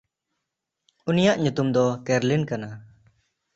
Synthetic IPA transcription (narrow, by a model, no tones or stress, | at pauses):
unijaʔɲut̪umd̪ɔkɛɾlinkana